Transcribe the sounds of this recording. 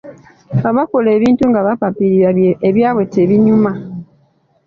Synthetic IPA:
βaβako̞le̞ːβiːntuŋɡaβapapiɾiɾaeβjaːβwe̞teβiɲuma

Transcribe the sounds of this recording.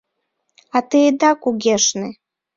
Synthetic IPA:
ɑt̪ed̪ɑkuɣeʃne

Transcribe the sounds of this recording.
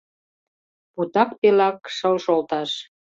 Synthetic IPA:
put̪ɑkpelɑkʃəlʃolt̪ɑʃ

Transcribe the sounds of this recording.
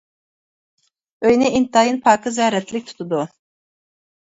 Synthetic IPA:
øjnɪint̪ɑjɯnpʰɑːkʰɯzɛɾɛt̪ʰlɪkʲt̪ʰu̥t̪ʰud̪u

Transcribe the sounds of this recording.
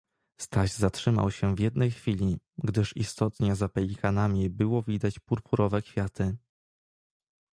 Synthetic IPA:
st̪aʑzatʂɘma̰wɕɛvʲjɛd̪nɛjxfʲilʲi | ɡd̪ɘʂist̪ɔt̪ɲɛzapɛlʲikʰanamʲibɘwɔvʲid̪at͡ɕpuɾpuɾɔvɛkfʲjat̪ɘ

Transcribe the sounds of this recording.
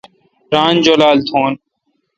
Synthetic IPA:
ɾaːnd͡ʒoːlaːlt̪ʰoːn

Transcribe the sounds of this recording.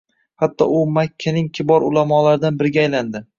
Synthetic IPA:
hat̪ʰːɒ̰ʊmakʲʰːanɪŋkʲʰɪbɒɾʊlamɒlaɾɪd̪anbɪɾɡʲaaːjland̪ɪ

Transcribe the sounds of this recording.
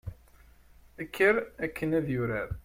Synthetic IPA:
ækʰːəɾækʰːənæðjʊɾa

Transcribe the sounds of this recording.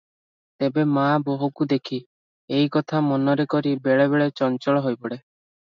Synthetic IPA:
t̪ebemaboɦukud̪ekʰi | ejkɔt̪ʰamɔnɔɾekɔɾibeɭeβeɭet͡ʃɔnt͡ʃɔɭɔɦojpɔɽe

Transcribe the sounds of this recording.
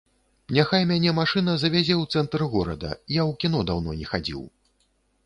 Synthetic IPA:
nʲaxajmʲanʲɛmaʂɨnɐzɐvʲazʲɛwt̪sɛnt̪ɾɨɣɔɾɐ̰d̪ɐ̰ijawkʲinɔd̪awnɔnʲɛxad͡zʲḭw

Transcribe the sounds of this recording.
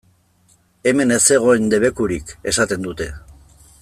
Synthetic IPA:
e̞me̞ne̞se̞ɣ̞o̞end̪e̞β̞e̞kuɾike̞sat̪e̞nd̪ut̪e̞

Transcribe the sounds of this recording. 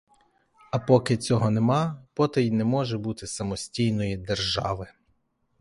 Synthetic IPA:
ɐpɔkɪt͡sʲɔɦɔnemɑpɔt̪ɐjnɛmɔʒɛbut̪ɪsɐmɔsʲtʲijnɔjid̪erʒɑ̰ʋɪ

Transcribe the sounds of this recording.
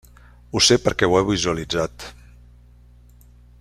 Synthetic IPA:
usepəɾkɛwɛβizuəlid͡zat̪

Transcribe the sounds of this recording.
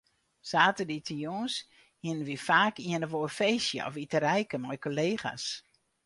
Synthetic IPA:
saːtəditʰijoːns | hiənənʋifaːkiənəʋoːrfejsjə̰ɔ̰fitəɾɛjkəmɔjkoleːxa̰s

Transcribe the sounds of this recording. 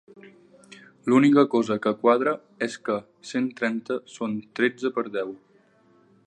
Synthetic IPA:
lunikəkɔzəkəkwað̞ɾə | eskə | sent̪ɾɛnt̪əsont̪ɾed͡zəpəɾðɛw

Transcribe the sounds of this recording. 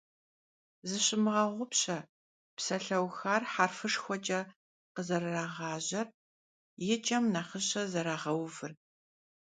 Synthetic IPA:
zɨɕɪmɨʁɐʁʷʊpɕɐ | psɐɬɐwxaːrħarfɨʂxʷɔt͡ʃʼɐ | qəzɐɾɨraːʁɑːʑɐr | jɪt͡ʃʼɐmnaχəɕɐzɐɾaːʁɐwvɨr

